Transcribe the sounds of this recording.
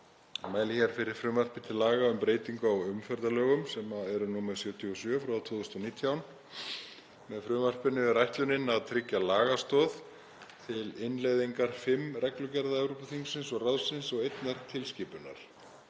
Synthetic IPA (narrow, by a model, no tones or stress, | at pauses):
maːjlɪçɛɾ̥fɪɾɪɾ̥fɾʏːmar̥pɪt̪ʰɪlːaːɣaʏmpɾeːjt̪iŋkʏawʏmfɛɾðalœːɣʏmsɛmaɛɾʏnuːmɛɾsjœt̪ʰiɔsjœːfɾawðt̪ʰvuːðʏst̪ɔniːt̪ʰjawn | mɛðfɾʏːmar̥pɪnːʏɾajht̪lʏnɪnːaðt̪ʰɾɪcːalaːɣast̪ɔːð | t̪ʰɪlɪnlejðiŋkaɾ̥fɪmːrʔɛklʏcɛɾðaɛvɾowpaθiŋksɪnsɔɣrawðsɪnsɔɣejt̪naɾt̪ʰɪlsciːpʏna̰ɾ̥